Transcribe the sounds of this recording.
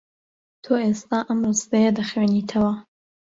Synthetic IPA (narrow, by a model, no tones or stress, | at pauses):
t̪ʰoːʔest̪aːʔɐmrɨst̪ɐjɐd̪ɐxweːnit̪ʰɐwɐ